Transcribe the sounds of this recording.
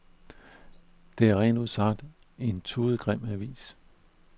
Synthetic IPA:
d̥e̝æɐʁɛ̰ːnd̥uð̰ˠsɑ̈d̥ | e̝nt͡sʰuːð̩ˠɡ̥ʁɛm̰æʋḭːs

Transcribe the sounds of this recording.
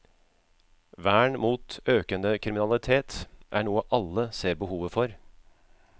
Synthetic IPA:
ʋæːɳmuːt̪øːkənd̪əkʰɾɪmɪnɑlɪt̪ʰeːt̪ʔæ̰ːɳuːəʔɑlːəseːɾbəhuːʋəfɔɾ

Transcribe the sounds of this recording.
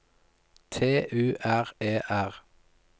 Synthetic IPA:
t̪ʰeːʔʉːʔæʁeːʔæʁ

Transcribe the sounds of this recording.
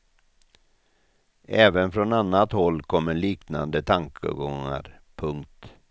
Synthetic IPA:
ʔɛːvənfɾɔnanːat̪hɔlːkʰɔmːəɭiːkna̰nd̪ət̪ʰaŋkʰə̰ɡɔŋːa̰ɾpʰɵŋkt̪

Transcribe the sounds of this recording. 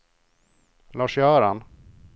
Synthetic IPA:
lɑːʂjœːɾan

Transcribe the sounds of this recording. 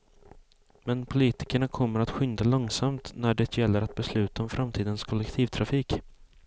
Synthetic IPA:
mɛnpʰʊliːt̪ɪ̥kəɳakʰɔmːəɾat̪ɧʏnd̪alɔŋsamt̪næɖɛt̪jɛlːəɾat̪̚bɛslʉ̟ːt̪aɔmfɾʔamt̪ʰiːd̪ənskʰɔlɛkt̪ʰiːvt̪ʰɾafiːk

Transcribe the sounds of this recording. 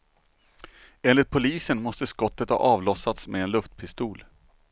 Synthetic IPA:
eːnlɪt̪̚pʰʊliːsənmɔst̪əskɔt̪ːət̪hɑ̰ːʔɑːvlɔsat̪smeːnlɵft̪pʰɪst̪uːl

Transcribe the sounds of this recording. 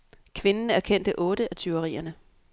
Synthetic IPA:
kʰʋe̝nn̩æɐkʰen̰d̥əʔɔ̽ːɾ̥əʔæt͡sʰyʊəʁḭːɐnə

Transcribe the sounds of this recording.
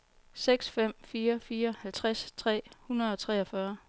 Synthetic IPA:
seɡ̥sfem̰fiːɐfiːɐhælt͡sʰʁast͡sʰʁɛ̰ːhunɐð̞̩ˠɒ̽t͡sʰʁɛːɒfɶɐ

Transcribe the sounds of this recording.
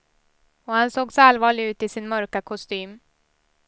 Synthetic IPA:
ɔhansoːɡsalvɑːɭɪɡʉ̟ːt̪ɪsɪnmœɾkakʰʊst̪yːm

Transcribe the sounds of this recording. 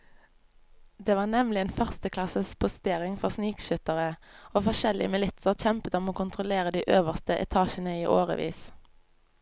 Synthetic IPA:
d̪eːʋɑːnɛmlɪeːnfœʁst̪əkʰlɑsəspʰʊst̪eːʁɪŋfɔʁsniːkʃʏt̪əʁəoːfɔʁʃɛlɪ̰əmɪlɪt̪səʁçɛmpət̪ɔmoːkʰʊnt̪ʰʁʊleːʁəd̪iːʔøːʋəʁst̪əʔɛ̰t̪ʰɑːʃənəiːʔoːʁə̰ʋḭːs

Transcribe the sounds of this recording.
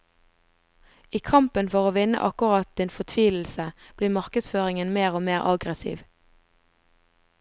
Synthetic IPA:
iːkʰɑmpənfɔʁoːʋɪnə̰ʔɑ̰kʊʁɑt̪̚d̪ɪnfɔt̪ʰʋiːll̩səb̥liːmɑʁkəd̪sføːʁɪŋənmeːʁoːmeːʁɑɡʁəsḭːʋ

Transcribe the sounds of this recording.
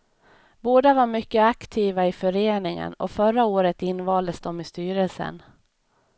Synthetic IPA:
boːd̪avaɾmʏkːəakt̪ʰiːvaɪfœɾeːnɪŋə̰nɔ̰fœɾaoːɾət̪ɪnːvɑːld̪əsd̪ɔmɪst̪yːɾəlsə̰n

